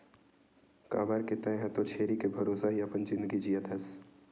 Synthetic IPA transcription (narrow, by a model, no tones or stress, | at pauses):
ka̰ːbaːɾket̪ɐ̃ɦɛ̃t̪ot͡ʃʰeːɾikebʱɐɾoːsaɦiɐpənd͡ʒɪ̃nd̪əɡid͡ʒijət̪ɐs